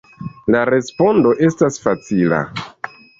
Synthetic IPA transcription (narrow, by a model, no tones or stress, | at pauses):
laɾe̞spo̞ndo̞ʔe̞stasfat͡sila̰